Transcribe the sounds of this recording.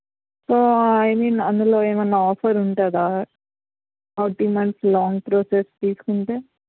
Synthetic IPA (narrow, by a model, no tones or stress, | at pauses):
soːɐjmiːnɐnd̪uloːeːmɐnːaɔːpʰɐɾuɳʈaːd̪a | ɐʈimɐɳʈslɔːŋɡpɾoːsest̪iːsu̥kuɳʈeː